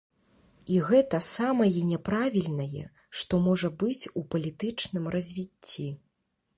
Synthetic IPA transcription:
iɣɛt̪ɐsamɐjɛnʲɛpɾavʲilʲnɐjɛ̰ | ʂt̪ɔmɔʐɐbɨt͡sʲupɐlʲit̪ɨt͡ʂnɨmrʔɐzʲvʲit͡sʲːi

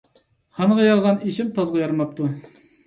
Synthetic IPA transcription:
χɑnʁɑjɑɾʁɑniʃɪmt̪ʰɑzʁɑjɑɾmɑp̚t̪ʰu

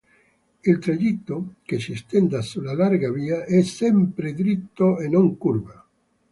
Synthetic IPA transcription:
elt̪ɾaʎit̪ːokesist̪end̪asulalaɾɡaβiaʔɛsɛmpɾed̪ɾit̪ːoenõŋkuɾba

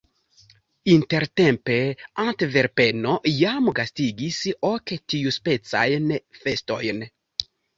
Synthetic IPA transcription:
int̪eɾt̪empeãnt̪eveɾpenojamɡast̪iɡisoketiuspet͡sa̰jnfest̪ojn

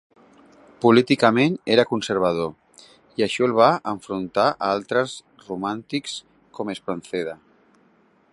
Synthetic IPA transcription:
pulit̪ikameneɾakunseɾβ̞að̞o | iaʃɔelβ̞aʔəɱfɾunt̪aʔaalˠt̪ɾəz | rumant̪iks | komespɾanθeð̞a

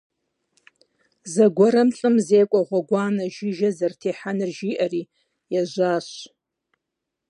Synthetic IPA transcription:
zaɡʷaɾamɬʼɨmzejkʷʼaʁʷaɡʷaːnaʒɪʒazartʰeħanɨrʒiʔari | jaʒʷaːʃʷ

